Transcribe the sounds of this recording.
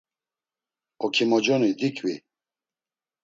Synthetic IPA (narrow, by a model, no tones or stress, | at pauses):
ɔkʰimɔd͡ʒɔnud̪ikʰwi